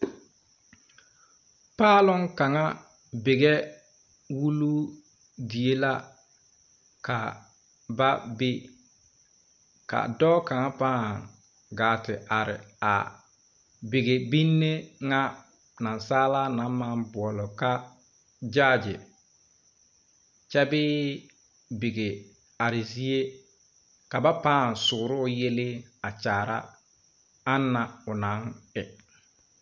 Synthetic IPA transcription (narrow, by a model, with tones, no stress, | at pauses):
paː˦lɔ˦ŋka˨ŋa˦ | bɪ˨ɡe˦ | wu˦lu˦ | di˨e˦la˦ | ka˨ | ba˦bɪ˦ | ka̰˨dɔː˦ka˨ŋa˦pa˦a˨ | ɡaː˨tɪ˨ʔa˨ɾɪ̰˨a̰˨ | bɪ˨ɡe˨bi˦nːe˦ŋa˦ | na˨nsaː˦la˦na˨˦ma˦nbʊ˨ɔ˨lɔ˨ka˦ | d͡ʒa˦˨d͡ʒɪ˨ | t͡ʃɛ˦bɪː˦ | bi˨ɡe˨ | a˨ɾɪ˨zi˦e˦ | ka˨ba˦paː˦˨nsʊ˨ɾʊ˦je˦lɪ˦a˨t͡ʃaː˨ɾa̰˦ | a˦nːa˨ʊ˨na˨˦ŋɪ˨